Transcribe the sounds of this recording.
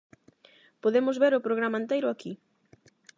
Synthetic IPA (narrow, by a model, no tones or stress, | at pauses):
poðemʊzβeɾʊpɾoɣɾamaent̪ejɾʊaki